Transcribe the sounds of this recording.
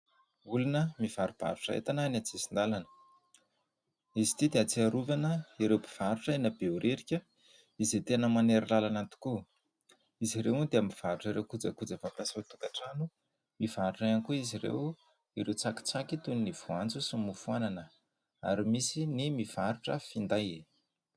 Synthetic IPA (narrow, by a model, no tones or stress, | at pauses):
ulunəmiv̥aɾub̥a̰ɾuʈ͡ʂəḛt̪ananat͡sisind̪alanə̥ | izi̥t̪id̪eat͡siaɾuvanəiɾewbiv̥aɾuʈ͡ʂəenabeuɾʔeɾikʲə | izet̪enəmaneɾilalanant̪u̥ku | iziɾewund̪eamiv̥aɾuʈ͡ʂəɾewkud͡zəkud͡zəvapasot̪ukaʈ͡ʂanu | mivaɾuʈ͡ʂaankuiziɾḛw | iɾewt͡saki̥t͡sakit̪unniv̥uant͡susimufuananə | a̰ɾimisinimiv̥aɾuʈ͡ʂəfind̪aje